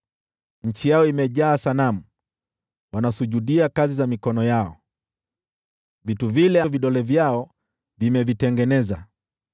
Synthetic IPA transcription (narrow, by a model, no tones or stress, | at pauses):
ɲ̩t͡ʃijaɔimɛʄaːsanamu | wanasuʄuɗiakazizamikɔnɔjaɔ | vituvilɛaviɗɔlɛvjaɔ | vimɛvitɛŋɡɛnɛza̰